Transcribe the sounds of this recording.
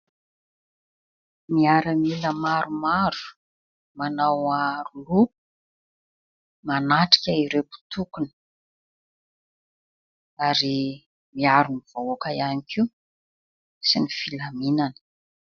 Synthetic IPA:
miaɾəmiləmaɾumaɾu̥ | manawaɾulu | manaʈ͡ʂi̥kʲaiɾepu̥t̪ukunə̥ | aɾi | miaɾuniv̥aakaianikiw | sinifilaminani̥

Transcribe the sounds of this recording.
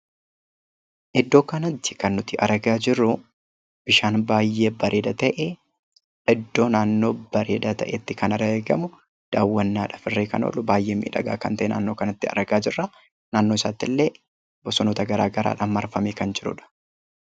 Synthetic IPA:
ʔɪd̪ːo̞ːkɐnɐt̪ːɪ̥kɐnːʊt̪ɪʔɐɾɡaːd͡ʒɪrʊ | b̥ɪʃaːnbaːjːe̞ːbɐɾʔeːd̪ɐt̪ɐʔe | ɪd̪ːo̞ːnaːnːo̞ːbɐɾḛːd̪ɐt̪ɐ̰ʔɛt̪ːɪkɐnɐɾɐeːɡɐmʊ | d̪̥aːwːɐnːaːᶑɐ̥fɪrːeːkɐ̰no̰ːlʊbaːjːeːmḭːᶑɐ̰ɡa̰ːkɐ̰nt̪ɐʔenʔa̰ːnːoːkɐnɐt̪ːɪɐ̰ɾɡaːd͡ʒɪrːa | naːnːoːɪsaːt̪ːɪlːeː | bɔsɔnoːt̪ɐɡɐɾa̰ːɡɐɾa̰ːᶑamːɐɾfɐmeːkɐnd͡ʒɪɾʊ̰ᶑɐ̥

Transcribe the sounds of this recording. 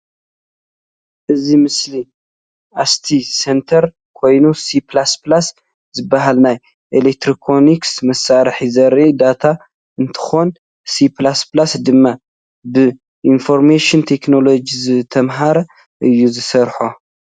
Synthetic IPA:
ʔɨzimɨsli | ʔast̪ʰisent̪ʰɐɾ | kʰo̞jnusipʰlasplas | zɨbːaɦalnaj | ʔelek̚t̪ʰɾikʰoniksmɐsaɾħizɐɾʔid̪at̪ʰa | ɨnt̪ʰɨ̥xo̞n | siplasplasd̪ɨmːa | bɨ | ʔinfo̞ɾmeʃɪnt̪ʰe̞kno̞lo̞d͡ʒizɨt̪ʰɐmɦaɾɐ | ʔɨjːuzɨsɐɾħo

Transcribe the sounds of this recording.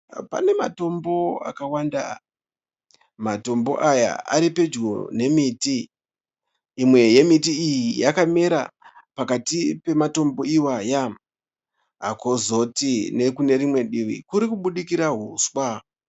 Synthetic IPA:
pa̰ne̞ma̰to̞mbo̞a̰kawanda̰ | mato̞mbo̞̰ʔaja̰ʔa̰ɾipe̞d͡ʒɡone̞miti | mwe̞je̞mitiːjijakame̞ɾa̰pakatipe̞mato̞mbo̞iwajam | ɦako̞zo̞tine̞kune̞ɾimwe̞ɗiʋḭkuɾikuɓuɗikiɾaɦuswa

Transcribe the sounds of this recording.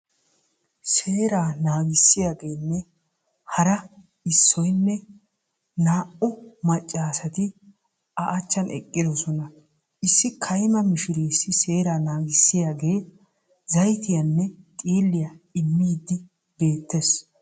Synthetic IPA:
se̞ːɾaːnaːɡɪsːɪjaːɡe̞ːnːɛ | hɐɾɐ | ɪsːɔjnːɛ | naːʔʊmɐt͡ʃʼːaːsɐt̪ɪ | ɐʔɐt͡ʃːɐnʔɛ̰kʼːɪd̪ɔsɔnɐ | ʔɪsːɪkʰɐjmɐmɪʃɪɾeːsːɪse̞ːɾaːnaːɡɪsːɪjaːɡe̞ː | zɐjt̪ɪjɐnːɛt̪ʼiːlːɪjaɪmːiːd̪ːɪ | be̞ːt̪ːes

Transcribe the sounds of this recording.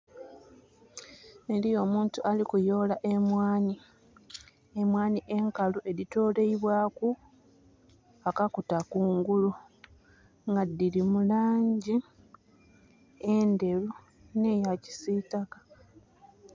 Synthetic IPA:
e̞lijo̞ːmuːntualikujo̞ːlaʔe̞mwaːni | emwaːniʔe̞ŋkaluʔe̞ðito̞ːle̞iβwaːku | akakutakuːŋɡulu | ŋɡadːilimulaːɲɟi | ende̞lu | ne̞jaci̥siːtakḁ

